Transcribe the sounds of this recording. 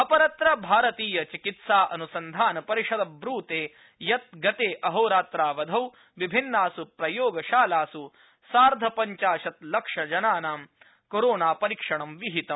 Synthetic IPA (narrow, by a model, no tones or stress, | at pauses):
ɐpɐɾɐt̪ɾɐbʱaːɾɐt̪iːjɐt͡ʃikit̪saːʔɐnusɐnd̪ʱaːnɐpɐɾiʂɐd̪ɐbɾuːt̪eː | jɐt̪̚ɡɐt̪eːʔɐɦɐwɾaːt̪ɾaːʋɐd̪ʱɐw | ʋibʱinːaːsupɾɐjoːɡɐʃaːlaːsu | saːɾd̪ʱɐpɐɲt͡ʃaːʃɐt̪lɐkʂɐd͡ʒɐnaːnaːm | koɾoːnaːpɐɾikʂɐɳɐmʋiɦit̪ɐm